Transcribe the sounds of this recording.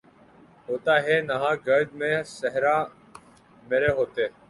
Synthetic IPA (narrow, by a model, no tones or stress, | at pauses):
ɦoːt̪aːɦɛːnəɦãːɡəɾd̪mẽːsəɦɾaː | meːɾeːɦoːt̪eː